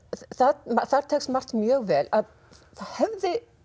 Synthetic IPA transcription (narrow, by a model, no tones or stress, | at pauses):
θamaθaɾ̥t̪ʰeksmar̥t̪mjœːɣvɛːlað | θahɛvðɪ